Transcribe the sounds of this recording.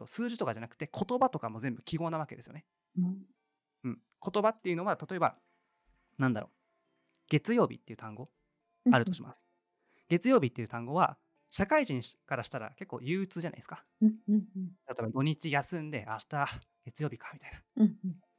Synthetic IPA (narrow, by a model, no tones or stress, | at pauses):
t̪osɨːʑit̪o̞kaʑanakɯ̟̥e̞kʰo̞t̪o̞bat̪o̞kamo̞ze̞mbɯ̟kʲiɡo̞ːnaβ̞ake̞d̪e̞sɨjo̰ne | ɯ̟̃ɴ | ko̞t̪o̞bat̪ːe̞jɯ̟no̞βat̪at̪o̞e̞ba̰ | nãnd̪aɾo̞ː | ɡ̥e̞t͡sɨjo̞ːbʲḭt̪ːe̞iɯ̟t̪ãŋɡo̞ | aɾɯ̟t̪o̞ɕima̰sɨ̥ | ɡ̥e̞t͡sɨjo̞ːbʲit̪ːe̞jiɯ̟t̪ãŋɡo̞βa̰ | ɕakaiʑĩɰ̃kaɾaɕi̥t̪aɾa̰ke̞kːo̞ːjɯːt͡sɨːʑana̰ieskḁ | t̪at̪o̞ebad̪o̞ɲ̟it͡ɕijasɨ̃nd̪e̞ʔaɕt̪a | ɡ̥e̞t͡sɨjo̞ːbʲikḁmʲit̪ainḁ